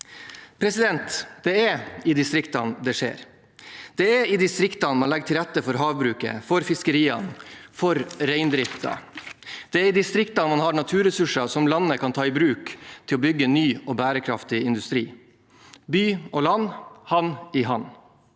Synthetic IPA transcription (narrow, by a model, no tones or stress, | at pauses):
pʰɾɛsɪd̪ɛnt̪d̪ɛɛɪd̪ɪst̪ɾɪkt̪ɑnd̪ɛʂḛːɾ | d̪̥ɛɛɾɪd̪ɪst̪ɾɪkt̪ɑnmɑnlɛɡəʈʰɪlɾɛt̪ːəfɔɾɦɑːʋbɾʉːkə̰fɔɾfɪskəɾiːɑ̰nfɔɾɾæɪnd̪ɾɪft̪ɑ̰ | d̪̥ɛæɾɪd̪ɪst̪ɾɪkt̪ɑnmɑnhɑɾɳɑt̪ʰʉːɾɛsʉʂɑsɔmlɑnːəkʰɑnt̪ʰɑːɪbɾʉːkt̪ʰɪlɔbʏɡːənːyːɔbæːɾəkʰɾɑ̰ft̪ɪɪnd̪ʉst̪ɾiː | byːolɑnːhɑnɪɦɑn